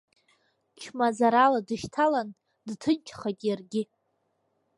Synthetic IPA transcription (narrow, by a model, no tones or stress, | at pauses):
t͡ʃʰmazaɾaladɨʃtʰalan | dtʰɨnt͡ʃʰχatʼjarɡʲɪ